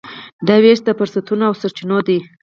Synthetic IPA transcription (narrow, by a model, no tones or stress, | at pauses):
d̪aweʃd̪əfʊɾsat̪unaawsaɾt͡ʃinod̪i